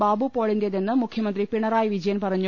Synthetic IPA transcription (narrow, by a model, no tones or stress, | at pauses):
baːbupoːɭindeðenːɨmukʰjɐmɐnd̪ripiɳɐraːjɐʋid͡ʑɐjɐnpɐrɐɲːu